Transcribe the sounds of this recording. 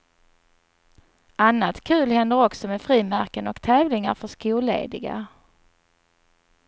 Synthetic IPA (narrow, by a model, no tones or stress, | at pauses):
anːat̪kʰʉ̟ːlhɛnd̪əɾɔksɔmɛfɾiːmæɾkənɔkt̪ʰɛːvlɪŋaɾfœʂkuːlḛːd̪ɪɡa̰